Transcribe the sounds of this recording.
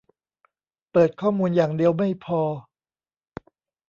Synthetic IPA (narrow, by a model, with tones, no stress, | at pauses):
pɤː˨˩t̪̚kʰɔː˥˩muː˧njaː˨˩ŋdi˧əwma˥˩jpʰɔː˧